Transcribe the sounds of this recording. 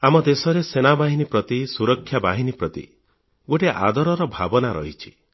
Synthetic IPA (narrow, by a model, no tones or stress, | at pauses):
amɔd̪esɔɾesenabaɦinipɾɔt̪isuɾɔkʰːjabaɦinipɾɔt̪ḭ | ɡoʈeʔa̰d̪ʱɔɾɔɾɔbʱabɔnaɾɔ̰ɦit͡ʃʰi̥